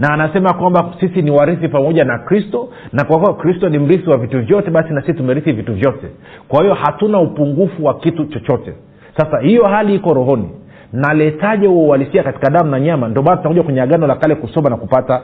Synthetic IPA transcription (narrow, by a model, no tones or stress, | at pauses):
naːnasɛmakwambasisiniwaɾiθipamɔʄanakɾistɔ | nakwakuakɾistɔnim̩ɾiθiwavituvjɔtɛɓasinasisitumɛɾiθivituvjɔtɛ | kwahijɔhatunaupuŋɡufuwakitut͡ʃɔt͡ʃɔtɛ̰ | sasahijɔhaliikɔɾɔɦɔnḭ | nalɛtaʄɛuɔualisiakati̥kaðamunaɲamandiɔmaːnatutakuʄakwɛɲɛaɠanɔlakalɛkusɔmanakupata